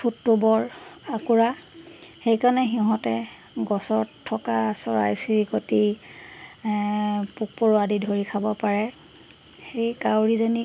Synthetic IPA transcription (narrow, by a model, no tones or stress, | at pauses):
pʰutːubɔɹakuɹa | xejkanɛxiɦɔ̃tɛ | ɡɔsɔɹtʰːɔkasɔɹa̰jsiɹikoti | puk̚poɹoadidʱoɹikʰabɔpaɹɛ | xejkawɹizoni